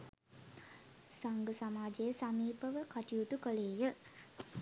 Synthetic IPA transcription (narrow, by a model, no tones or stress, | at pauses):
saŋɡəsamaːd͡ʒejəsamiːpəʋəkaʈiut̪ukəleːjə